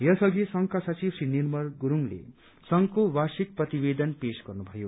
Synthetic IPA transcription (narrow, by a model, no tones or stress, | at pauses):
jʌsʌɡisʌŋkasʌt͡sibsinirmʌrɡuɾuŋlḛ | sʌŋkowasik̚prʌt̪ibed̪ʌnpesɡʌrnubʱʌjo